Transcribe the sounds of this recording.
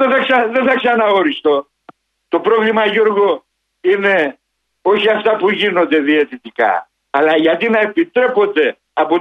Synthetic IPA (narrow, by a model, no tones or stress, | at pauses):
eθɐksɐðeθɐksɐnɐoɾist̪o̞ | t̪o̞pɾo̞vlimɐʝoɾɣo | ine̞ | o̞çiɐft̪ɐpuʝino̞nd̪e̞ðie̞t̪it̪ikɐ̰ː | lɐʝɐt̪inɐe̞pit̪ɾe̞po̞nd̪e̞ | ɐpo